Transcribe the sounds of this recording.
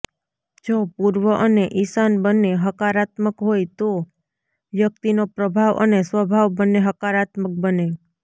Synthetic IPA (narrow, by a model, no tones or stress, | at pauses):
d͡ʒopuɾʋəʔəneʔisanbəneɦəkaɾat̪məkɦojt̪o | ʋjək̚t̪inopɾəbʱaʋə̰nesʋəbʱaʋbənːeɦəkaɾat̪mək̚bəne